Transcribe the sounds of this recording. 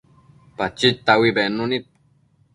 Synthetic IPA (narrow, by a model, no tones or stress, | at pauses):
pat͡ʃit̪awibenunit̪̚